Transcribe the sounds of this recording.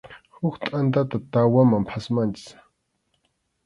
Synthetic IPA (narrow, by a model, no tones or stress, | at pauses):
hʊkt̪ʼant̪at̪at̪awamampʰasmant͡ʃɪ̥s